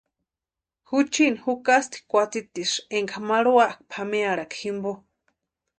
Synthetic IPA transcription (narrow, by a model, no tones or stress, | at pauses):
hut͡ʃinhukast̪i̥kʷat͡sit̪iʂeŋkamaɺuaʔk̚pʰameaɽakhimbo